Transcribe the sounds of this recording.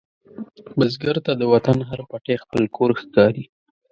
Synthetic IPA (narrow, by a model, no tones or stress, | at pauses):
bəzɡaɾt̪ad̪əwat̪anɦaɾpaʈexpəlkʰoɾxkɑɾi